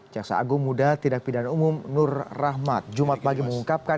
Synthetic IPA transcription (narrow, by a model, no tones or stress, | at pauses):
d͡ʒaksa̰a̰ɡʊŋmudat̪idak̚pidanaumʊmnʊrrahmat̪̚d͡ʒumat̪̚paɡiməŋuŋkap̚ka